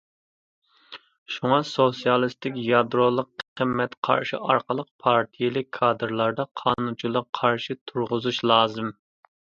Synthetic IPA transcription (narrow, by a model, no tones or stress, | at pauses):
ʃuŋɑsosijɑlˠɨst̪ɪkʲjɑd̪ɾolˠəqqʰəmːɛt̪qʰɑ̰ɾʃḭʔɑɾqəlˠəq̚pʰɑɾt̪ʰijilɪkʲʰːɑːd̪ɨɾlˠɑɾd̪ɑqʰɑːnunt͡ʃʰilˠɑqʰɑɾʃɪt̪ʰuɾʁʊzuʃlˠɑːzɨm